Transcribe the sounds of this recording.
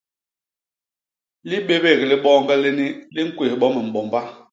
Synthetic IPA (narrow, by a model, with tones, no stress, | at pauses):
li˦ɓe˦be˦˨ɣli˦ɓɔː˦ŋɡɛ˦le˦ni˦li˦ŋ̩˦kwe˨hɓɔ˦mə˨m̩˨ɓɔ˨mba˦